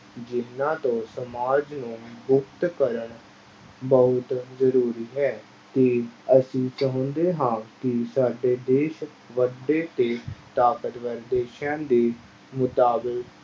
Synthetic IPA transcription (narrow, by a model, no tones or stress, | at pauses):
d͡ʒɪnːãːt̪õːsəmaːd͡ʒnũːbʊkt̪kəɾəɳ | bəɦʊt̪zəɾuːɾiːɦɛː | t̪eːəsĩːt͡ʃəɦə̃nd̪eːɦãːkɪsaːɖeːd̪eːʃə | ʋəɖeːt̪eːt̪aːkət̪ʋəɾd̪eːʃãːd̪eː | mʊt̪aːbɪk